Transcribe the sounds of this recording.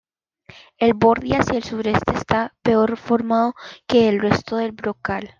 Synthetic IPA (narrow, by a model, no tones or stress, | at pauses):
e̞lbo̞ɾðiasjaelsuɾe̞st̪e̞ːsapeo̞ɾfo̞ɾmaðo̞ke̞ːlre̞st̪o̞ðe̞lbɾokal